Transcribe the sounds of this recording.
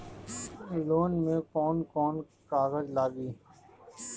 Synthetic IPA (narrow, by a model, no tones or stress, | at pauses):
loːnmẽkɔːnkɔːn | kaːɣəzlaːɡiː